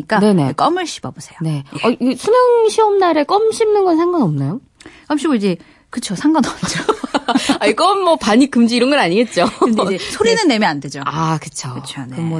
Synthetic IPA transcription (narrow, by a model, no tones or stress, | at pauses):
ik͈ane̞ne̞ek͈ʌmɯɭɕʰi̥b̥ʌbosʰe̞jone̞ʌiɡsʰumjʌŋɕʰiʌmnaɾek͈ʌmɕʰimnɯnɡʌnsʰeŋɡaŋʌmnajo | k͈ʌmɕ͈ʰiɡoid͡ʑe̞ | kɯt͡ɕʰosʰaŋɡanʌd͡ʑo | aik͈ʌmːʌpaɲik͈ɯmd͡ʑiːɾʌnɡʌnaɲiɡe̞t̚t͡ɕ͈oesʰoɾinɯnːe̞mjande̞d͡ʑoakɯt͡ɕʰoɯt͡ɕʰomʌ